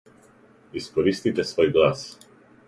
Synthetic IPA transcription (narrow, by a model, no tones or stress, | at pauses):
iskɔɾist̪it̪ɛsvɔjɡlas